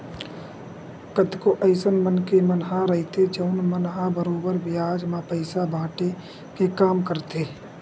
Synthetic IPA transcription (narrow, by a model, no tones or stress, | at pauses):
kəd̪koʔəɪsənmənkemənɦaɾəɦit̪ed͡ʒəʊnmənɦabəɾoːbəɾʋɪjaːd͡ʒmãpəɪsabʱaːʈe | kekaːmkəɾt̪eː